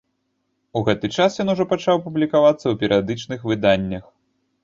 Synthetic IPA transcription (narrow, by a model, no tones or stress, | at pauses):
uɣɛt̪ɨt͡ʂasjɔnuʐɔpat͡ʂawpublʲikavat̪sːɐwpʲɛɾɨjad̪ɨt͡ʂnɨxvɨd̪anʲːɐx